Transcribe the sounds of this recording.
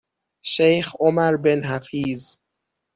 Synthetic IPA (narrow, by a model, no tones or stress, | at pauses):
ʃejxomæɾbenɦæfiːz